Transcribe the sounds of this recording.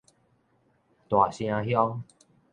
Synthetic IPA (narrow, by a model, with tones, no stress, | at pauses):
t̪wa˨˩ɕj̃ã˧ɦjɔ˦ŋ